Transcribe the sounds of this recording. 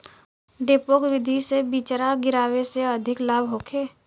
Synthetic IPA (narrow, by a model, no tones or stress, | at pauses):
ɖeːpoːkʋɪd̪ʱisebiːt͡ʃɾaɡɪɾaːweseɐd̪ʱɪklaːbɦoːkʰeː